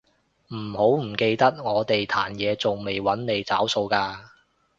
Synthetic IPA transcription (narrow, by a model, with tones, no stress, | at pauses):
m̩˨˩ho˨˥wm̩˨˩ke˧jt̪ɐ˥t̚ŋɔː˨˧t̪e˨jt̪ʰaː˨˩njɛː˨˧t͡so˨ŋme˨jwɐ˨˥nne˨˧jt͡sa̰ː˨˥wso˧wkaː˧